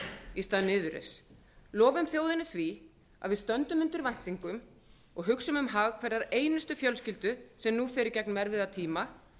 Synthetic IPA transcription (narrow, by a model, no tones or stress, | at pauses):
ist̪aːðnɪːðʏɾḛs | lɔːvʏmθjoːwðɪnːʏθvi | aðvɪðst̪œnt̪ʏmʏnt̪ʏɾvajn̥t̪iŋkʏm | ɔɣɦʏksʏmʏmɦaːɣkʰvɛɾðaɾeːjnʏst̪ʏfjœlscɪlt̪ʏsɛmnufɪːɾɪɾcɛknmɛɾvɪðat̪ʰiːma